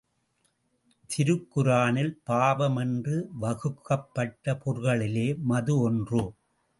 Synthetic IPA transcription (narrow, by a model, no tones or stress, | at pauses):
t̪ɪɾɯkːɯɾaːnɪlpaːʋɐmɛndrɯʋɐɣɯkːɐpːɐʈːɐpɔɾɣɐɭɪleːmɐðɯɔndru